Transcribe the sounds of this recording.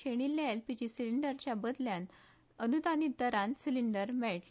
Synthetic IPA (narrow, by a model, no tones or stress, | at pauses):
eɽ̃ilːaelpid͡ʑisiliɳɖəɾt͡ɕjabəd̪ljãn | ənud̪anid̪əɾãnsiliɳɖəɾmɛɭʈl